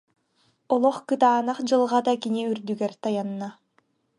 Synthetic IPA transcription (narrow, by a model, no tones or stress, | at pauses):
ɔlˠɔχkɯt̪aːnaχd͡ʑɯlˠʁad̪akiniyɾd̪yɡɛɾt̪ajanːa